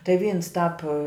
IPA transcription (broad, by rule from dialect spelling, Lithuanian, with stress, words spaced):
tɐɪ ˈʋʲiːns ˈtɑːp